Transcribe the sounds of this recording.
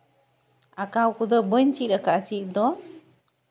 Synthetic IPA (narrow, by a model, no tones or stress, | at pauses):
akawkud̪ɔbəjnt͡ʃiʔ̚ɾakat͡ʃiʔ̚d̪ɔ